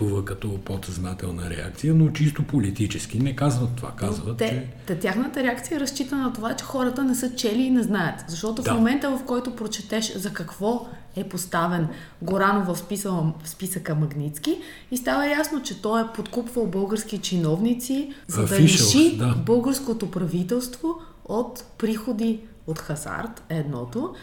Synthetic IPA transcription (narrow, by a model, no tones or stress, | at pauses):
uvəkɐt̪ɔpot̪ɛznat̪ɛlˠnəɾɛ̰a̰k̚t̪sijənot͡ʃist̪opolit̪it͡ʃɛskinɛkazvət̪ːova̰kazvət̪t̪ɛt͡ʃɛ | t̪ɐt̪ʲjaxnət̪əɾɛak̚t̪sijəɐɛɾɐst͡ʃit̪ənɐt̪ovat͡ʃɛ̥xɔɾət̪ənɛsɤt͡ʃɛliːnɛznajət̪zɐʃt̪ɔt̪ʊfmomɛnt̪əvɐfkɔjt̪opɾot͡ʃɛt̪ɛʃzɐkɐkvɔ | ɛpost̪avɛn | ɡoɾanovɐfspisəfspisəkəmɐɡnit̪ski | ist̪avəjasnot͡ʃɛt̪ɔjɛpot̪kupvɐlˠbɤlˠɡəɾskit͡ʃinɔvnit̪sizɐd̪ɐɾɛʃibɤlˠɡəɾskot̪opɾɐvit̪ɛlˠst̪vo | ot̪pɾixod̪i | ot̪xɐza̰ɾt̪ɛd̪nɔ̰t̪o